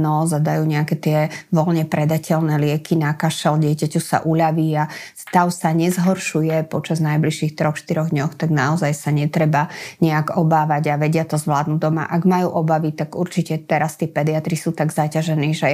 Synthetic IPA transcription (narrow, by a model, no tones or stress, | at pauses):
nɔzad̪ajuːɲɛakɛt̪ɪɛʋɔlɲɛpɾɛd̪acʰɛlnɛːlɪɛkʰinakaʃɛlɟɪɛcacusa̰ʔuʎaʋiːast̪aʊsaɲɛzɦɔɾʃujɛpɔt͡ʃaznajbliʃiːxt̪ɾɔxʃt̪iɾɔɣd̪ɲɔxt̪aɡnaɔzajsaɲɛt̪ɾɛbaɲɛaɡɔbaːʋaɟaʋɛɟɪat̪ɔzʋlaːd̪nud̪ɔma̰ʔaɡmajṵʔɔbaʋit̪aɡuɾt͡ʃicɛt̪ɛɾast̪ɪɛpɛd̪iat̪ɾisuːt̪aɡzacaʒɛniːʒɛ